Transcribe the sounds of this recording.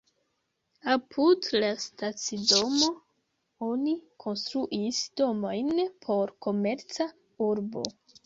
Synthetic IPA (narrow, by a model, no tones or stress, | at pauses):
apʰudlastat͡sido̞mo̞ | o̞nikʰo̞nst̪ɾuʔisd̥o̞mo̞jnpʰo̞ɾko̞me̞ɾt͡sa | uɾbo̞̰